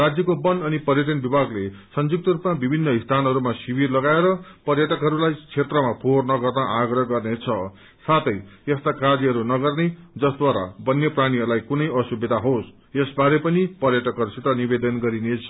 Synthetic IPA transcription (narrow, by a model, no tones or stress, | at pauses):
rad͡zjʌkobʌnʌnipʌrjʌʈ̬ʌnbibʱaɡlesʌnd͡zuk̚t̪ʌɾupmabibʱinːʌist̪ʰanʌɾumasibirlʌɡaeɾʌpʌrjʌʈʌkɦʌɾulajt͡sʰet̪rʌmapʰornʌɡʌrnʌʔaɡrʌɦʌɡʌrnet͡sʰʌ | sat̪ʌjest̪akad͡ziɦʌɾunʌɡʌrned͡zʌsd̪waɾa̰bʌnːjepraɽ̃iɦʌɾulajkunʌjʌsubed̪ʱaɦos | esbaɾepʌnipʌrjʌʈʌkɦʌɾusit̪ʌnibed̪ʌnɡʌɾinet͡sʰʌ